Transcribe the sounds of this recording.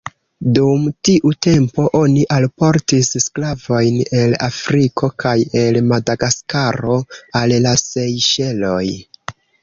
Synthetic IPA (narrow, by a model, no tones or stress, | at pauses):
dumtiʔute̞mpo̞ʔo̞niʔalpo̞ɾtissklavo̞jne̞la̰fɾikʰo̞kaje̞lmadaɡaskaɾo̞allasejʃe̞lo̞j